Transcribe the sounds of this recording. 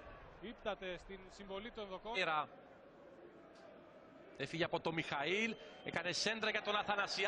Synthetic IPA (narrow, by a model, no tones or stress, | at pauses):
ipt̪ɐt̪e̞st̪insiɱvo̞lit̪onðo̞koɾɐ | efiʝeɐpo̞t̪o̞mixɐilḛkɐnese̞nd̪ɾɐʝɐt̪o̞nɐθɐnɐsi